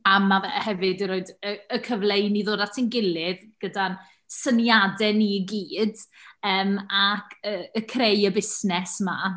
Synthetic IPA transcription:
amːavɛhɛvɨdəɾoɨdəəkʰəvlˠejniðoːdatʰinɡɪlˠɪðɡ̥ədan | sənjadɛniəɡiːdəːmakʰəəkʰrejəbɪsnɛsma

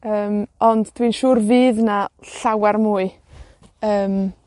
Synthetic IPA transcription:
əːmɔnddʰwinʃuːrviːðnaɬawɛrmuːɨ | əːm

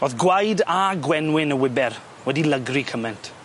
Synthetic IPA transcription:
oðɡwajdaɡwɛnwɪnəwɪbɛr | wɛdiləɡrikʰəmɛntʰ

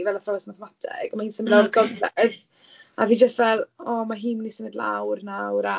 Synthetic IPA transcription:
vɛlˠaθrɔɛsmaθəmatʰɪ̰ɡ̥ɔmaiːnsənblalɡɔvlɛð | aviːd͡ʒəstvɛlˠɔːmaɦiːnmənisənədlˠa̰wrnawɾa

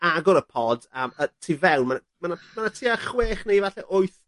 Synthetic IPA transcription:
aɡɔɾəpʰɔdəmətʰiːvɛwnmanamanamanatʰiːaχweːχnejvaɬɛʔoɨθ

